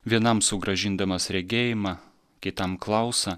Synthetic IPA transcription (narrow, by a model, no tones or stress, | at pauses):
ʋʲiɛnɐmsʊɡɾɐʒʲɪnd̪ɐmɐsɾʲɛɡʲeːjɪmɑ | kʲɪt̪ɐmklˠɑˑʊsɐ